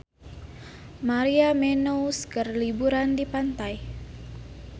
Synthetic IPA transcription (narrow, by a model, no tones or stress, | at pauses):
maɾiamɛnouskərlibuɾandipant̪aj